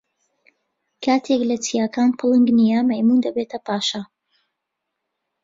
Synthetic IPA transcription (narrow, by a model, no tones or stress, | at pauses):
kʰaːt̪ʰeklɐt͡sijaːkaːnpʰɨlˠɨŋɡnijɐmɐjmund̪ɐbet̪ʰɐpʰaːʃɐ